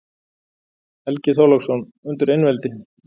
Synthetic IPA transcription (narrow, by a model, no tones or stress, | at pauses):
ɛlcɪθowlaksɔn | ʏnt̪ʏɾejnvɛlt̪ɪ